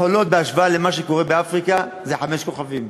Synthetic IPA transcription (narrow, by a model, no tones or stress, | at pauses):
olo̞t̪̚beaʃvaalemaʃe̞ko̞ʁebeafʁika | zeħame̞ʃko̞χavim